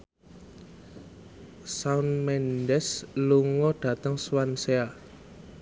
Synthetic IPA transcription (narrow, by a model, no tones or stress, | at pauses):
saunmɛndɛsluŋɔɖ̥ä̤t̪əŋswansea